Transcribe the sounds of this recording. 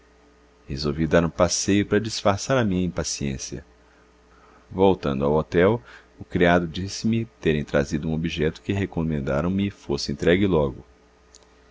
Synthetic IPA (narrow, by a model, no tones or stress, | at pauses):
hezowvid̪aɾũpasejʊpɾɐd͡ʒisfaɾsaɾɐmĩɲɐĩpasiḛ̃siɐ̰ | vowt̪ɐ̃nd̪ʊawot̪ɛw | ʊkɾiad̪ʊd͡ʒisɪmɪt̪eɾẽj̃t̪ɾa̰zid̪ʊũobiʒɛt̪ʊ̥kɪɦekomẽnd̪aɾɐ̃w̃mɪfosɪẽnt̪ɾɛɡɪlɔɡʊ